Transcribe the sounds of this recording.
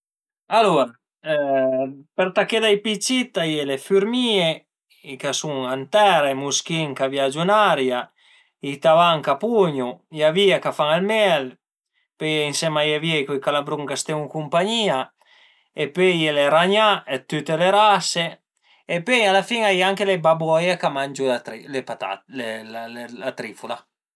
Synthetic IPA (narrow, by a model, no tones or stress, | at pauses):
aluɾa | peɾt̪aked̪ajpit͡ʃːit̪ajelefyɾmie | ikasuŋant̪ɛɾaemusk̟iŋkavjad͡ʒunaɾja | it̪avaŋkapuɲujaviakafaŋalmɛl | pøjinsɛmajaviajkujkalabɾuŋkast̪ɛŋukumpaɲiːa | epøjeleɾaɲaet̪yt̪ːeleɾase | epːøjalafiŋajaŋkelebabɔjekamand͡ʒulepat̪a̰ellat̪ɾifula